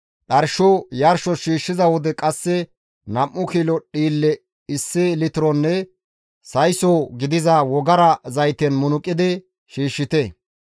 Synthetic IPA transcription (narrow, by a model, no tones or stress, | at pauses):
ɗɐɾʃojɐɾʃɔʃiːʃːɪzɐwɔd̪ɛkʼɐsːɛ | nɐmːʊkiːlɔɗiːlːɛ | ɪsːɪlɪt̪ɪɾɔnːɛ | sɐjsoːɡɪd̪ɪzɐwɔɡɐɾɐzɐjt̪ɛnmʊnʊkʼːɪd̪ɪ | ʃiːʃːɪt̪ɛ